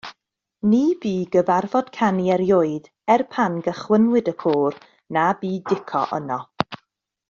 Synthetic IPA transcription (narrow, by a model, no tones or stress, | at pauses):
niːbiːɡəvarvɔd̥kʰaniɛɾjoɨd | ɛrpʰanɡəχwənwɪdəkʰoːr | nabiːdɪkʰɔ̰ʔə̰nɔ